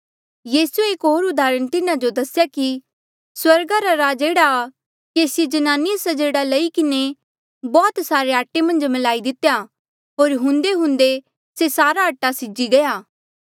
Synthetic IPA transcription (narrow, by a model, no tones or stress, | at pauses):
jiːsueeːkɦoːɾʊd̪aːɾəɽ̃t̪ɪnãd͡ʒod̪ɐsjaki | swɐɾɡaɾaɾaːd͡ʒeːɽa | keːsjed͡ʒɐnaːnɪjəsɐd͡ʒeːɽalɐikɪne | bɔːt̪saːɾeaːʈːemɐ̃nd͡ʒmɐlaːid̪ɪt̪eja | ɦoːɾɦʊ̃nd̪eɦʊ̃nd̪e | sesaːɾaɐʈːasɪd͡ʒiɡɐjaː